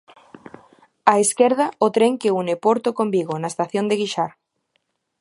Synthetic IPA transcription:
aeskeɾðaot̪ɾeŋkeunepoɾt̪okombiɣ̞onaest̪aθjond̪eɣiʃaɾ

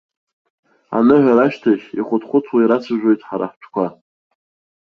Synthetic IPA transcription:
a̰nɨʕʷaɾaʃtʰaʃʲiχʷʊtʰχʷʊt͡sʰwaiɾat͡sʰaʒᶣo̞jtʼħaɾa̰ħʈ͡ʂʷʰkʷa

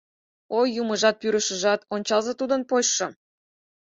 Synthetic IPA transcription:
ojuməʒɑt̪̚pyɾəʃə̆ʒɑt̪onʲt͡ɕɑlzet̪ud̪ə̆npojʃŏ

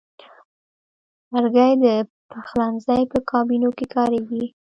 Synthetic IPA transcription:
aɾɡajd̪ə | paxlanzajpəkʰɑbinokekʰɑɾawi

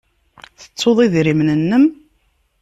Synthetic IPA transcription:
θə̥t͡sːoðˤiðɾimnənːəm

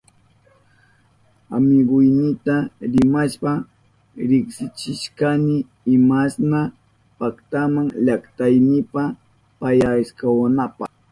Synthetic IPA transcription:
a̰mɪɢʊjnɪt̪aɾɪmaʃpa | ɾɪχsɪt͡ʃɪʃkanɪː | masna | pakt̪amaŋʎakt̪ajnɪpa | pajaɪskawanapɑχ

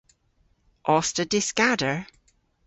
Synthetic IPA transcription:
ʔɔstədɪskadəɹ

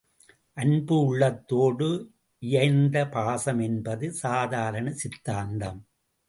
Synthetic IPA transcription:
ʔɐnbɯʊɭːɐt̪ːoːɽɯ | ʔɪjɐɪnd̪ɐpaːsɐmɛnbɐðɯsaːðaːɾɐnɐsɪt̪ːaːnɖ̪ɐm

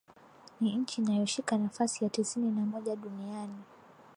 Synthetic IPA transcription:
niɲ̩t͡ʃiːnajɔʃikanafasijatisininamɔʄaɗuniani

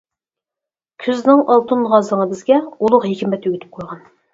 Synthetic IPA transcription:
kʲʰyznɪŋɑlˠt̪ʰɨnʁɑzəŋəbɪzɡʲɛulˠʊqɦekʲimɛt̪yɡʲyt̪ʰɪ̥p̚qʰojʁɑn

